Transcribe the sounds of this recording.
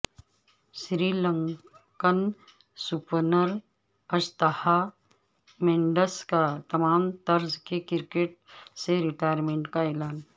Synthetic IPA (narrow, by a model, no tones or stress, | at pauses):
ʃɾiːlə̃ŋ | kən | sʊpnəɾ | ɐʃt̪əha | mẽːɳɖəskat̪ɐmaːmt̪ɐɾzkekɪɾkeːʈ̚seɾɪʈaːjəɾmẽːɳʈkaeːlaːn